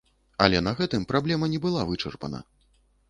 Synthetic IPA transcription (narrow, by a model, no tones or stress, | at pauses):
ɐ̰lʲɛnɐɣɛt̪ɨmpɾablʲɛmɐnʲɛbɨlˠavɨt͡ʂɛrpɐ̰nɐ̰